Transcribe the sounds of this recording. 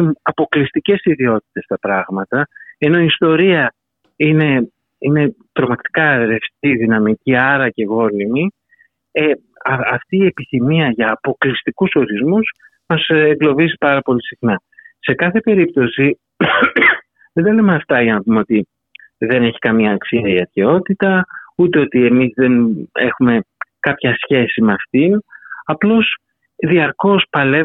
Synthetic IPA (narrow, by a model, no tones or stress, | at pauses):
ɐpo̞klist̪ice̞siðio̞t̪̚i̥t̪e̞st̪ɐpɾɐɣmɐt̪ɐe̞no̞iːst̪o̞ɾiɐ | ine̞ | ine̞t̪ɾo̞mɐkt̪i̥kɐɾe̞ft̪iðinɐmiciɐɾɐce̞ɣo̞limi | e | ɐɐft̪iːe̞piθimiɐʝɐːpo̞klist̪ikuso̞ɾizmus | mɐseɡlo̞vizipɐɾɐpo̞lisixnɐ | se̞kɐθe̞pe̞ɾip̚t̪o̞si | ðend̪ɐlemeɐft̪ɐʝɐnɐpumeo̞t̪i | ðe̞ne̞çi̥kɐmɲɐːksiɐiɐɾçeo̞t̪it̪ɐut̪e̞o̞t̪ie̞mizðe̞ne̞̰xume̞kɐpçɐsçe̞simeɐft̪inɐplo̞s | ðiɐɾko̞spɐle̞